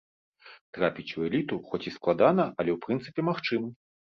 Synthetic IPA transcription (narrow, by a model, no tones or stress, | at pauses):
t̪ɾapʲit͡sʲuɛlʲit̪uxɔt͡sʲisklˠad̪anɐʔɐlʲɛwpɾɨnt̪sɨpʲɛmaxt͡ʂɨmɐ